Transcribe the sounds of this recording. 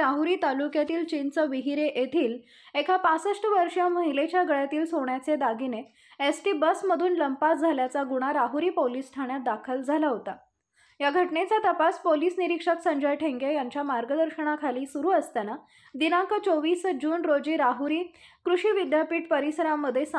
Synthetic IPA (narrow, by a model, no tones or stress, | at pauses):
ɾaɦuɾiːt̪alukjat̪iːlt͡ɕint͡səʋiɦiɾeʔjet̪ʰiːl | ekʰapat͡səʂʈəʋəɾʂjaməɦilet͡ɕjaɡəɭjat̪iːlsoɳjat͡sed̪aɡʱine | esʈiːbəsməd̪ʱuːnləmpat̪̚d͡zʱaljat͡saɡuɽ̃aɾaɦuɾiːpoliːsʈʰaɳjat̪̚d̪akʰəld͡zʱalaɦot̪a | jaɡʱəʈnet͡sat̪əpaspoliːsniɾikʂəksəɲd͡ʑajʈʰeŋɡejaɲt͡ɕjamaɾɡəd̪əɾɕəɽakʰaliːsuɾuːəst̪ana | d̪inãŋkət͡soʋiːsd͡ʑuːnɾod͡ʑiɾaɦuɾiːkɾuɕiːʋid̪japiːʈpəɾisəɾamːəd̪ʱːjes